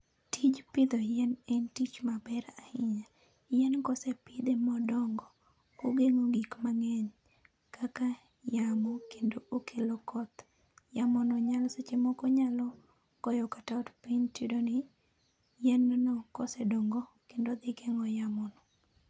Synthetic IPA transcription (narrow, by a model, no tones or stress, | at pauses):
tid͡ʒpɪd̪ɔjɛnɛntit͡ʃmabɛɾahɪɲa | jɛnkɔsɛpɪd̪emɔdɔŋɡɔ | oɡeŋoɡikmaŋɛɲ | kaka | jamokendookʰelokɔt̪ | jamɔnɔɲalɔset͡ʃemɔkɔɲalɔ | kɔjɔkataɔdpiɲtidonɪ | jɛnːɔnɔkɔsɛdoŋɡɔkendod̪ɪkɛŋɔjamɔnɔ